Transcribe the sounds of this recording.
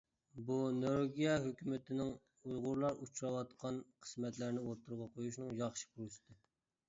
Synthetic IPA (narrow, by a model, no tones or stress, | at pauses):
bunoɾoɡʲijɛɦøkʲymɪt̪ʰɪnɪŋ | ujʁʊɾlˠɑɾut͡ʃʰɾɑwɑt̪qʰɑnqʰə̥smɛt̪læɾnɪwoɾt̪ʰːuɾʁɑqʰojuʃnɨŋjɑχʃi̥kʰulɨsɨ̥t̪ɨ